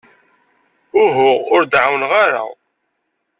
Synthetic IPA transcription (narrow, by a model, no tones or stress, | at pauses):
ʊɦʊʁʊɾd̪ʕawnʁaɾa̰